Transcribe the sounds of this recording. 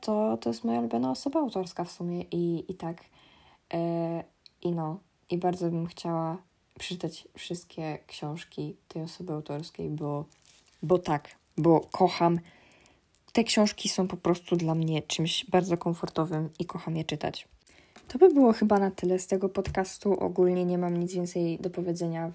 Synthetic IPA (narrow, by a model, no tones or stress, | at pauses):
t̪ʰɔt̪ɔjɛst̪mɔjalubʲjɔnaɔsɔbaːwt̪ɔɾskafsumʲjɛʔiːt̪ak | ʔinɔ | ibaɾd̪zɔbɘmxt͡ɕawa | pʂɛ̥ɘt̪at͡ɕfʂɘst̪kʲɛkɕɔ̃w̃ʂkʲit̪ʰɛjɔsɔbɘawt̪ɔɾskʲejbɔ | bɔt̪ak | bɔkʰɔxam | t̪ɛkɕɔ̃w̃ʂkʲisɔ̃w̃pɔpɾɔst̪ud̪lamɲɛt͡ʂɘmɕbaɾd̪zɔkɔɱfɔɾt̪ɔvɘmikʰɔxamjɛt͡ʂɘt̪a̰t͡ɕ | t̪ɔbɘbɘwɔxɘbanat̪ɘlɛst̪ɛɡɔpɔt̪kast̪uʔɔ̰ɡulɲɛɲɛmamɲid̪zvjɛnt̪sɛjd̪ɔpɔvʲjɛd̪zɛɲa